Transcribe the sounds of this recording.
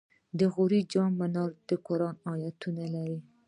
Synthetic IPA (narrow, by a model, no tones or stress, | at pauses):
d̪əɣuɾid͡ʒɑmːanɑɾd̪̥əkoɾɑnɑjat̪ːunalaɾi